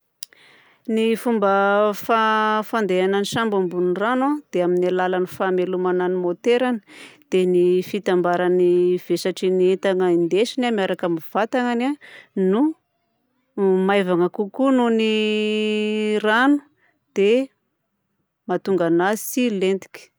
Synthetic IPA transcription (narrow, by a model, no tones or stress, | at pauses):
nifumbəfafand̪eananiʃambambunranad̪̥eaminalalanifamelumananimot̪eɾanə̥d̪̥enifit̪ambaɾaniv̥esaʈ͡ʂinient̪aŋəind̪eʃinamiaɾakamiv̥at̪aŋananu | majvaŋəkukununi | ranu̥ | d̪̥e | mat̪uŋɡanasilent̪i̥kʲi̥